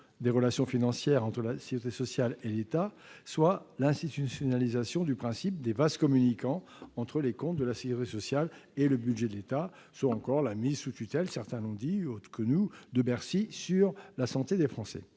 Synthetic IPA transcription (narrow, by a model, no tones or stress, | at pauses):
d̪eʁəlasjɔ̃finɑ̃sjɛʁɑ̃t̪χəlasiʁit̪esɔsjalelet̪a | swalɛ̃st̪it̪ysjɔnalizasjɔ̃d̪ypχɛ̃sip̚d̪evaskɔmynikɑ̃ | ɑ̃t̪χəlekɔ̃t̪̚d̪əlasekʲyʁit̪esɔsjaleləbydʒed̪əlet̪a | swaɑ̃kɔʁlamizsut̪yt̪ɛlsɛʁt̪ɛ̃lɔ̃d̪iot̪χə̥kənud̪əbɛʁsisyʁlasɑ̃t̪ed̪efχɑ̃sɛ̰